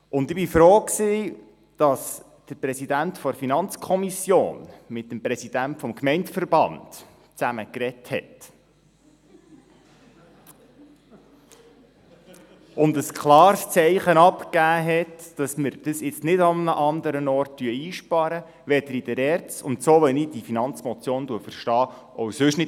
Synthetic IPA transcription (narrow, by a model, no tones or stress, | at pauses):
ʊnd̪ɪb̥ifɾoːksi | d̥ɑs | d̥əɾpɾɛsidæntfɔɾfinɑnt͡skʰɔmisjo̰ːnmɪt̚ːəmpɾɛsid̥æntfɔmkmɛɪntfəɾbɑ̰nd̥ | t͡sæməkɾɛthɛ̰t | ʔʊnd̪əskχlɑːɾst͡sɛɪχənɑpkæːɦɛtd̥ɑsməɾd̥əsɪt͡stnɪdɑmnəʔɑnd̪əɾənɔrtd̥yəiːʃpɑɾə | ʋɛd̥̪əɾidəɾɛrt͡sʊ̰ntsoːʋɛnid̥ifinɑnt͡smɔt͡sjoːnduəfərʃtɑː | ɔwsʏʃnɪ